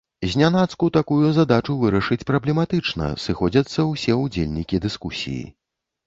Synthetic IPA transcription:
zʲnʲanat̪skut̪akujuzad̪at͡ʂuvɨɾɐʂɨt͡sʲpɾɐblʲɛmat̪ɨt͡ʂnɐ̰sɨxɔd͡zʲɐt̪sːɐwsʲɛud͡zʲelʲnʲikʲid̪ɨskusʲḭjḭ

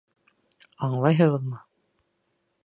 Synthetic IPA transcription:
ɑɴlˠɑjɦɤ̆ʁɤ̆ðmɤ

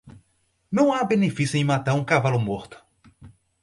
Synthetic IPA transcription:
nɐ̃w̃abenefisjʊẽj̃mat̪aɾũkavalʊmoɾt̪ʊ̥

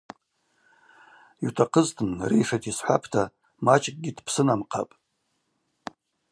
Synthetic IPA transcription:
itʰaqʰəztʰɨnrḛjʂatʰisħʷa̰pʰtʰa | mat͡ʃʼkʼɡʲidpʰsɨnamqʰa̰pʼ

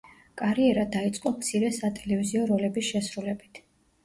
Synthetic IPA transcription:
kʼaɾiɛɾad̪ait̪sʼqʼɔmt̪sʰiɾɛsat̪ʼɛlɛviziɔɾɔlɛbisʃɛsɾulɛbit̪ʰ

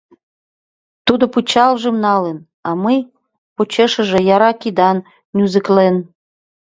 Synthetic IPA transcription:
t̪ud̪oput͡ɕɑlʒəmnɑlen | ɑməj | pot͡ɕeʃə̆ʒĕjɑɾɑkid̪ɑn | nʲuzəklen

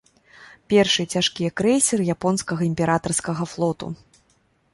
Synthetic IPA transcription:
pʲɛrʂɨt͡sʲaʂkʲijɛkɾɛsʲɛrɨjapɔnskɐɣɐimʲpʲɛɾat̪ɐrskɐɣɐflˠɔt̪ṵ

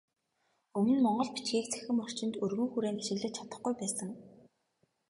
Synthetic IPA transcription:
ɵmɵ̆nmɔɴɢɞ̆ɮpi̥t͡ɕɡiːk̚t͡sʰæ̥xʲɘ̆mɔr̥t͡ɕɪ̆nt̪ɵrɣɵ̆ŋxuɾeːnt̪aʃɪ̆ɣɮɘ̆t͡ɕʰat̪ə̆χɡujpæːsə̆ŋ

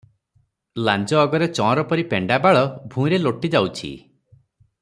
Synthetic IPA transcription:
land͡ʒɔːɡɔɾet͡ʃɔ̃ɔ̃ɾɔpɔɾipeɳɖabaɭɔbʱũɾeloʈid͡ʒawt͡ʃʰḭ

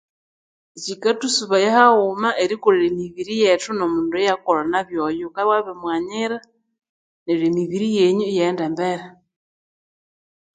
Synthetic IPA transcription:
et͡ʃikatusuβajehaumaʔeɾikuɾiɾemiβiɾijetunomuːnduejakolanaβjojukaβwaβemwaɲiɾa | neɾemiβiɾijeɲujendembeɾe

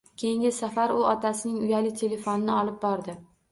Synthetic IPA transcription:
kʲʰe̞jɪŋɡʲɪsafaɾʊɒt̪ʰasɪnɪŋʊjalɪt̪ʰe̞le̞fonɪnɪɒlɪp̚bɒɾd̪ɪ

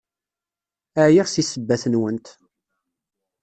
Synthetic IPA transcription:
æʕjiʁsisəbːæθənwənt̪

